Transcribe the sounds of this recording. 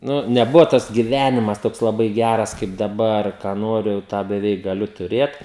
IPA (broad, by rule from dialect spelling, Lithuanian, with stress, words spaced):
ˈnʊ nʲɛˈbʊʋoː tɐs ɡʲɪˈʋʲæːnʲɪmɐs ˈtoːks lˠɐˈbɐɪ ˈɡʲærɐs kɐɪp dɐˈbɐr kɑː ˈnoːrʲʊ jɛʊ ˈtɑː bʲɛˈʋʲɛɪk ɡɐˈlʲʊ tʊˈrʲeːt